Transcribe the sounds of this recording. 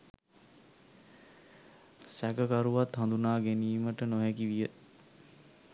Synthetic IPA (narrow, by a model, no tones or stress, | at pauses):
sækəkaɾuʋat̪hãnd̪unaːɡeniːməʈənoɦɛkiʋijə